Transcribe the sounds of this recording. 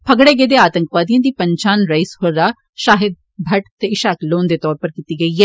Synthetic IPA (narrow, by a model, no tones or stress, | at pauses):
pʰəɡɽeːɡeːd̪eːaːt̪əŋkʋaːd̪ijãːd̪iːpəɲt͡ʃaːnɾaɪshoɾɾaː | ʃaːɦɪd̪̚ | bʱəʈt̪eːɪʃaːkloːnd̪eːt̪ɔːɾpəɾkiːt̪iːɡəiːɛː